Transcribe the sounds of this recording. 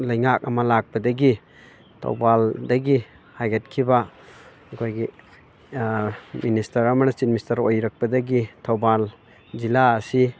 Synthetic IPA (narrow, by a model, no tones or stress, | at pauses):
lajŋak̚amalak̚badaɡi | tʰɔ̰wbaldaɡi | hajɡat̚kʰiba | kʰojɡi | ministaɾamanasit̚mistaɾojɾak̚badaɡitʰawbal | zilaːsi